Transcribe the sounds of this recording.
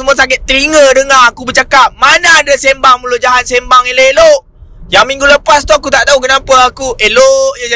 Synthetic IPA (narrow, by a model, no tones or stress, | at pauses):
əmuasakɪt̪̚t̪əɾiŋədəŋaɦakubət͡ʃakap̚manaːdasembaŋmulʊʔd͡ʒaɦat̪̚sembaŋeloeloʔ | jaŋmĩŋɡuləpast̪uakut̪aʔd̪auk̬ənapəakuʔeloʔja